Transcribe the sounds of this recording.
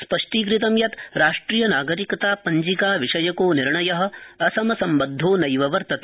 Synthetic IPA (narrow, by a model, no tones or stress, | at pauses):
spɐʂʈiːkɾit̪ɐmjɐt̪ɾaːʂʈɾijɐnaːɡɐɾikɐt̪aːpɐɲd͡ʒikaːʋiʂɐjɐkoːniɾɳɐjɐɦɐ̆ɐsɐmɐsɐmbɐd̪ʱːoːnɐjʋɐʋɐɾt̪ɐt̪ː